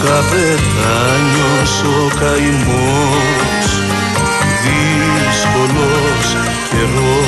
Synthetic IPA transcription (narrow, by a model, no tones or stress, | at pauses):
kave | t̪a | ɲõ | so | kaim | o | s | ði | skolo | s | eɾo